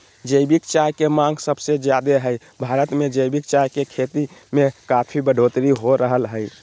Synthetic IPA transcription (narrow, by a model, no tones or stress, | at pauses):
d͡ʒəjbikt͡ʃajkemãŋɡsəbsed͡ʒjad̪eɦəj | bʱaɾət̪med͡ʒəjbik̚t͡ʃajkekʰet̪imekapʰibəɖ̤ʱot̪ɾiɦoɾəɦəlɦəj